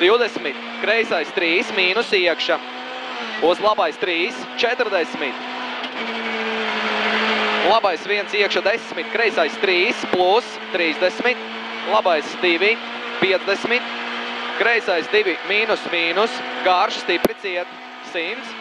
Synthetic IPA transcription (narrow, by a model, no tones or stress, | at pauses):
d̪̥iwd̪ɛsmit̪ | kɾɛjsajst̪ɾiːsmiːnusiɛkʃa | uslˠabajst̪ɾiːst͡ʃɛt̪ɾd̪ɛsmit̪ | lˠabajsviɛnsiɛkʃad̪ɛsmit̪̚kɾɛjsajst̪ɾiːsplˠus | t̪ɾiːzd̪esmit̪ | lˠabajsd̪ivʲi | piɛd̪zd̪esmit̪kɾɛjsajsd̪ivʲimiːnusmiːnusɡaɾʃst̪ipɾit̪siɛt̪ | simt̪s